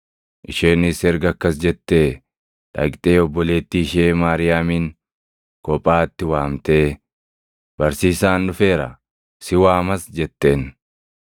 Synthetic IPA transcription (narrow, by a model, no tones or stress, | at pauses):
ʔɪʃeːnːɪsɛɾɡɐkːɐsd͡ʒɛt̪ːeː | ᶑɐ̰ɡt̪ʼeːɔbːɔle̞ːt̪ːiːʃeːmaːɾɪjaːmiːn | kɔpʼːaːt̪ːɪwaːmt̪e̞ː | b̥ɐɾsiːsaːnːʊfe̞ːɾɐ̰ | sɪwaːmɐsd͡ʒɛt̪ːeːn